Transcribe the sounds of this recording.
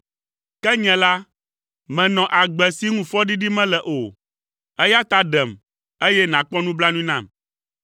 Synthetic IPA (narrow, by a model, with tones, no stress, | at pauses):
kɛ˦ɲɛ̃˨la˦ | mɛ̃˨nɔ̃˨ʔa˨ɡ͡bɛ˨si˦ŋũ˦fɔ˦ɖi˦ɖi˦mɛ̃˦lɛ˨ʔo˨ | ɛ˦ja˦t̪a˦ɖɛ˨m | e˦jɛ˦nã˨k͡pɔ˦nũ˦bla˦nũ˦nã˦˨m